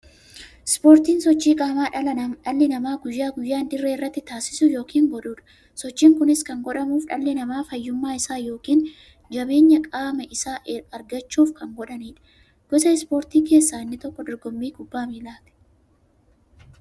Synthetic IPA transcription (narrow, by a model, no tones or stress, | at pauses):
spo̞ːɾt̪iːnsɔt͡ʃːiːkʼaːmaːᶑɐlɐnɐnᶑɐlːɪnɐmaːɡʊjːaːɡʊjːaːnd̪ɪrːeːɪrːɐt̪ːɪt̪aːsɪ̥sʊjo̞ːkʰiːŋɡɔᶑuːᶑɐ̥ | sɔt͡ʃːiːŋkʊnɪskɐŋɡɔᶑɐmuːfᶑɐlːɪnɐmaːfɐjːʊmːaːɪsaːjo̞ːkiːn | d͡ʒɐbe̞ːɲːɐkʼaːmɐʔɪsaːʔɐɾɡɐt͡ʃːuːfkɐŋɡɔᶑɐniːᶑɐ̥ | ɡ̥ɔsɐɪspo̞ːɾt̪iːke̞ːsːaːɪnːɪt̪ɔkːɔd̪ɔɾɡɔmːiːɡʊbːaːmiːlaːt̪ɛ̥